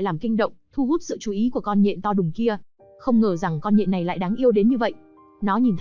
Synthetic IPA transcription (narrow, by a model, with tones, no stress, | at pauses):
jlaː˨˩mkï˧ŋ̟ɗə̰˧˨wŋ͡mt̪ʰu˧hu˦˥t̚sɨ̰˧˨t͡ɕu˨˩ʔi˨˦ku˧˩əkɔ˧nɲḭ˧˨nt̪ɔ˧ɗʊ˨˩ŋ͡mki˧ə | xə˧wŋ͡mŋəː˨˩za˨˩ŋkɔ˧nɲḭ˧˨nːa˨˩jla̰ː˧˨jɗaː˨˦ŋʔi˧əwɗe˨˦nɲɨ˧və̰˧˨jʔ | nɔ˨˦ɲi˨˩nt̪ʰ